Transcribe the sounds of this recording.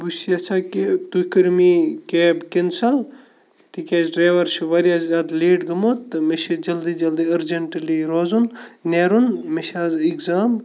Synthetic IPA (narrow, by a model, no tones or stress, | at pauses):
busiɐt͡ʃʰaːket̪ukɐɾmiːkeːbkinsɐl | t̪ikʲeːd͡ʒɖɾaːʋɐɾt͡ʃʰiʋɐɾjazaːd̪leːʈɡɐmoːt̪ːmeʃid͡ʒɐld̪iːd͡ʒɐld̪iɐɾd͡ʒeɳʈliɾoːzunneːɾunmeʃaːziɡzaːm